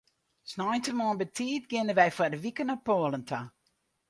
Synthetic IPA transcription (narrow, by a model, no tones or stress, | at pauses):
snɔjntəmɔənbətʰiːtɡɪnəʋɛjfadəʋikənɔpoəlˠəntʰa